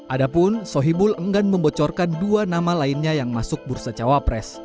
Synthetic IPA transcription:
ʔadapʊnsɔɦibʊləŋɡanməmbɔt͡ʃɔrkanduanamalainɲajaŋmasʊk̚bursat͡ʃawapɾɛs

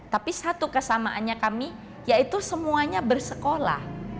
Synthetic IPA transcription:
t̪apisat̪ukəsamaʔanɲakami | jait̪usəmuaɲabərsəkola̰h

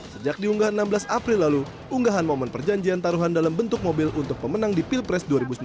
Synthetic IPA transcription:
səd͡ʒak̚diuŋɡaɦannambəlasapɾɪlːalu | uŋɡaɦanmomɔnpərd͡ʒaɲd͡ʒiant̪aɾuɦandalambənt̪ʊk̚mobɪlʔunt̪ʊk̚pəmənaŋdipilpɾɛsduaɾibusum

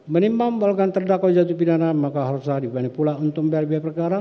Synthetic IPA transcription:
mənimamwalokant̪ərdakɔd͡ʒat̪̬upidanamakaɦɔɾsadibanipulaunt̪ʊk̚mbɛlbiapərkaɾa

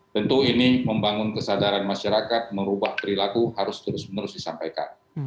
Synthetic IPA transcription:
t̪ənt̪uiniməmbaŋʊnkəsadaɾanmaʃaɾakat̪̚məɾubahpəɾilakuɦaɾʊst̪əɾʊsmənəɾʊsdisampajka̰n

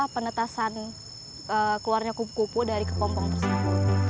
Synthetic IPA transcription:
apənət̪asan | əkluarɲakupukupudaɾikəpɔmpɔŋpəsaŋ

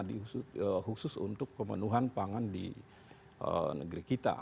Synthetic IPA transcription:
diuəhusʊsṵnt̪ʊk̚pəmə̰nuɦanpaŋandḭ | ə̰nə̰ɡɾikit̪a̰

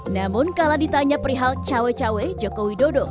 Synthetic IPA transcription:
namʊnkaladit̪aɲapəɾiɦalt͡ʃawet͡ʃawed͡ʒokowidodo

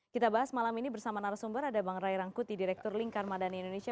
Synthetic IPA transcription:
kit̪abaɦasmalaminibərsamanaɾasumbəɾadabaŋɾajɾaŋkut̪idiɾɛk̚t̪ʊrliŋkarmadaniindonesia

